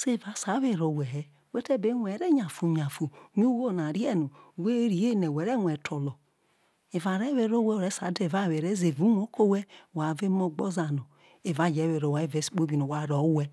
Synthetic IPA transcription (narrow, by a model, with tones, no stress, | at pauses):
se˦˨va˨˦sa˨˦βe˦˨ɾo˨wɛ˨ɾɛ˨ | we˦tɛ˦˨be˦nʷɛ˨˦ɾɛ˦ɲa˨fu˨ɲa˨fu˨ɲu˦wo˦˨na˨ɾi˦ɛ˦nu˨we˦ɾi˨je˦˨nɛ˨wɛ˨˦ɾɛ˦ŋʷɛ˨tʰo˨lɔ˨ | e˨va˨ɾɛ˦βe˨ɾo˦wɛ˦˨ɾɛ˨˦sa˨˦de˦˨va˦˨we˨ɾe˦ze˨vu˨˦nʷ˦o˦ko˦wɛ˦˨wa˨ve˦mo˦ɡ͡bɔ˦za˨no˨ | e˨va˨˦˨d͡ʒɛ˨˦we˨ɾo˨wa˨˦e˦˨vɛ˨˦si̥˨k͡po˦bi˨no˨wa˨ɾɔ˨˦wɛ˦